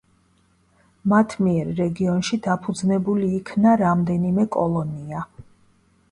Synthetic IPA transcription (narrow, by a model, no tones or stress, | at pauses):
mat̪ʰmiɛɾːɛɡiɔnʃid̪apʰud̪znɛbuliːkʰnaɾamd̪ɛnimɛkʼɔlˠɔnia